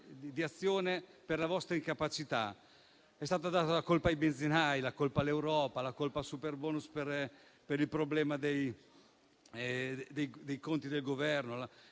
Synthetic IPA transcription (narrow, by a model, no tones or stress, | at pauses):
d̪iat̪sːjoːneperlavɔst̪ɾaiŋkapat͡ʃit̪a̰ | ɛst̪aːt̪ad̪aːt̪alakolpaːjbenzinajlakolpalewɾɔːpalakolpasuperbɔːnusper | peɾilpɾoblɛːmad̪ej | d̪ejd̪ejkont̪id̪elɡovɛrnola